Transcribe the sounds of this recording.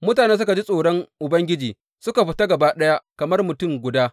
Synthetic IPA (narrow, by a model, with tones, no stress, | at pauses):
mʊ˦taː˨neː˦s̬ʊ˦ka˨d͡ʒi˦sʼoː˨ɽɔ˦ŋʔʊ˨bɐ˦ŋɡʲɪ˦d͡ʒiː˨ | sʊ˦ka˨ɸɪ˦ta˦ɡɐ˨baː˦ɗɐ˦ja˦kɐ˨mɐ˦rmʊ˨tʊ˦˨ŋɡʷʊ˨daː˦